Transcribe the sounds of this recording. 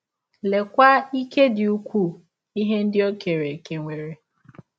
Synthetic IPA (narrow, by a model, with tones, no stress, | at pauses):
le˨kʷa˦i˦ke˦dɪ˨u˦kʷu˦˨ | i˦ɦe˦n̩˦dɪ˦o˦ke˨ɾe˨ke˨ŋʷe˨ɾe˨